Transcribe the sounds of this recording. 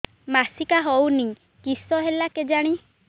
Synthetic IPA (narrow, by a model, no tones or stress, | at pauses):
masikaɦɔwnĩ | kisɔɦelaked͡ʒaɽ̃i